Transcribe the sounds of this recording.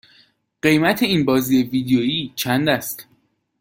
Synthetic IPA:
ɢ̥e̞jmæt̪ʰe̞iːnbɒːziːeviːd̪ejoiːt͡ʃʰænd̪æst̪

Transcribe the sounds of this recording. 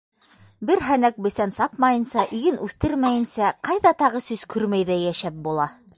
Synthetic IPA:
bɘɾɦænæk̚bɵ̆sænsɑpmɑjɤ̆nsɑʔiɡɘnʉθt̪ɘɾmæjɘ̆nsæqɑjðɑt̪ɑʁɤsʉzkʰʉɾmæjðæjæʃæp̚bulˠɑ

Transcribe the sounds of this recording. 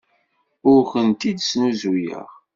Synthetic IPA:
ʊɾçənt̪id̪snuzujə̰ʁ

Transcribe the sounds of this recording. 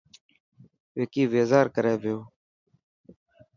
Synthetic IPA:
ʋeːkiːʋeːzaːɾkəɾeːʋɪjoː

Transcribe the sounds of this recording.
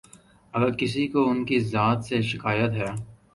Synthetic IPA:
ɐɡəɾkɪs̬ikoʊnkizaːt̪seʃɪkaːjət̪ɦɛː

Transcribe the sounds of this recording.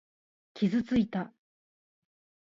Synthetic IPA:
kʲʰizɨt͡sɨit̪a

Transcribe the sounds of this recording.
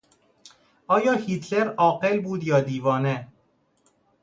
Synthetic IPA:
ɒːjɒːhiːt̪ʰleɾɒːɢelbuːd̪jɒːd̪iːvɒːne

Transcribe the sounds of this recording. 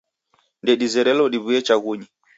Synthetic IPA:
ndɛɗizɛɾɛlɔɗiβuɛt͡ʃaɣuɲi

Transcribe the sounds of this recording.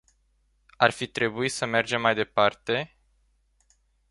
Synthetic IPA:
arfit̪ɾe̞buisəme̞rd͡ʒe̞mːajd̪e̞part̪e̞

